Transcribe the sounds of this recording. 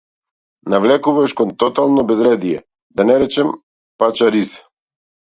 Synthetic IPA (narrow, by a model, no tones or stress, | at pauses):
navlɛkuvaʃkɔnt̪ɔt̪alˠnɔbɛzɾɛd̪ijɛ̰ | d̪anɛɾɛt͡ʃɛm | pat͡ʃaɾisḁ